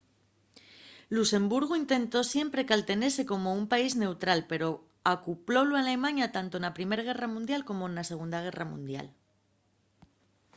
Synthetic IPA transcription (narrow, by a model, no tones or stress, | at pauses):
luse̞mbuɾɣ̞uint̪e̞nt̪o̞sje̞mpɾe̞kalt̪e̞ne̞se̞ko̞mo̞umpaizne̞wt̪ɾalpe̞ɾo̞ | akuplo̞loalemaɲjat̪ant̪o̞enapɾime̞ɾaɣ̞e̞ramũnd̪jalko̞mo̞enase̞ɣ̞und̪aɣ̞e̞ramṵ̃nd̪ja̰l